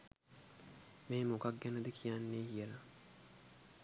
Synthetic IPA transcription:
meːmokak̚ɡenɐd̪ikʰijanːeːkijelɐ

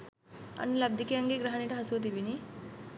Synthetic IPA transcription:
ɐ̰nlɐb̚d̪ʱikeɐŋɡeɡɾɐɦɐniʈɐɦɐsuɐt̪̬ibini

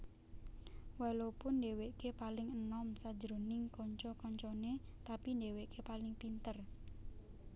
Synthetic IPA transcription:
walopʊndeweʔkepalɪŋənɔmsḁd͡ʒəɾonɪŋkɔɲt͡ʃɔkɔɲt͡ʃɔnet̪apindeweʔkʰepalɪŋpint̪ər

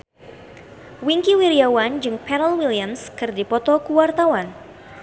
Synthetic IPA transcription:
wiŋkiwiɾiawand͡ʒɨŋpɛɾəlwiliamskɨrdipɔt̪ɔkuwart̪awan

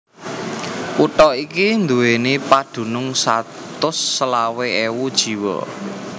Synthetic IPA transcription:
uʈɔikind̪uwenepad̪̥ṳnʊŋsat̪ʊsːəlaweewud̥ʒ̥i̤wɔ̰

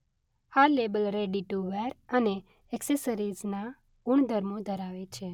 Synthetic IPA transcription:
halebəlɾeɖiʈuʋɛɾəne | ɛksesəɾid͡ʒna | ɡuɳ̃d̪ʱəɾmod̪ʱəɾaʋet͡ʃʰe

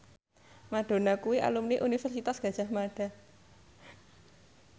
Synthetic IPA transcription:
maɖ̥o̤nakuwiʔa̰lumniʔunifɛrsit̪asɡ̥a̤d̥ʒ̥a̤hmaɖ̥a̤

